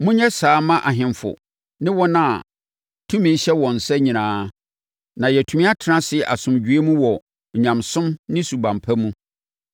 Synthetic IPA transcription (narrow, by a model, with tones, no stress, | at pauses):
mʊ̃˦ɲɛ˦saː˨˦mã˦ʔa˨ɦɪ̃˨mfʊ̰˨ | nɪ̃˦wɔ˦nã˦˨ | tʰũ˦mĩ˨n˦ɕɛ˦wɔ̃˨n̩˨sɛ˦ɲĩ˨nãː˨˦ | nã˨jɛ˨tʰu˨mĩ˦a˦tʰɪ˨ɾã˦sɪ˦˨ʔa̰˨sʊ̃˨md͡ʑɥe˦mũ˦wɔ˨ | ɲã˨msʊ̃˦mnɪ̃˦su˨bã˨mpʰa˦mũ˦